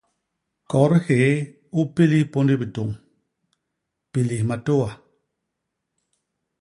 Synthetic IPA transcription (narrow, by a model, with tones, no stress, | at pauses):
kɔ˨˦ɾhe˨˦ | u˦pi˦li˦po˦ndi˦bi˨to˨ŋ | pi˨li˨hma˨to˦wa˨